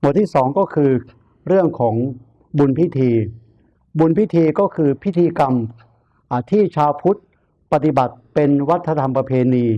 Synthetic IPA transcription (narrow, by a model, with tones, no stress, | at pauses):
mu˨˩t̪ʰiː˥˩sɔː˩˦ŋkɔː˥˩kʰɯː˧ | ɾɯ˥˩əŋkʰɔː˩˦ŋ | bu˧npʰi˦˥˩t̪ʰiː˧ | bu˧npi˥t̪ʰiː˧kɔː˥˩kʰɯː˧pʰi˦˥t̪ʰiː˧ka˧m | ʔa˨˩t̪ʰiː˥˩t͡ɕʰaː˧wpʰu˦˥t̪̚ | pa˧t̪i˨˩ba˨˩t̪̚pe˧nwa˦˥t̪ʰːa˧t̪ʰa˧mpɾa˧pʰeː˧niː˧